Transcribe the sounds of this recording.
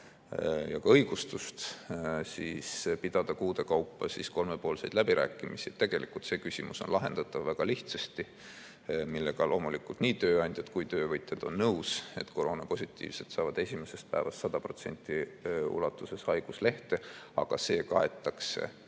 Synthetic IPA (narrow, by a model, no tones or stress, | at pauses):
jɑkɑɤjɡ̥ust̪ust̪siːspid̪̥ɑd̪̥ɑkuːd̪̥e̞kɑwpːɑsisko̞lme̞po̞ːlse̞jd̪læbiɾʔæ̰ːkːˑimisit̪ːe̞ɡ̥e̞lʔikˑult̪se̞ːkysʲimuso̞nlʔɑɦe̞̰nd̪̥ɑt̪ːˑɑvːæɡ̥ɑliht̪sɑst̪i | milːe̞ɡ̥ɑlo̞ːmulikult̪niːt̪ø̞ːɑnʲd̪̥ʲjɑd̪kujt̪ø̞ːvɤjt̪jɑd̪̥o̞nːɤwse̞̰t̪ːko̞ɾo̞ːnɑpo̞sʲit̪ˑːḭːvset̪sɑːvɑd̪̥e̞sʲime̞se̞st̪̚pæ̰evɑst̪sɑd̪ɑpro̞t̪se̞̰nʲt̪ːˑiṵlɑt̪ːˑuse̞shɑjɡ̥usle̞ht̪e̞ɑ̰ɡ̥ɑse̞ːkɑe̞t̪ːˑɑkse̞̰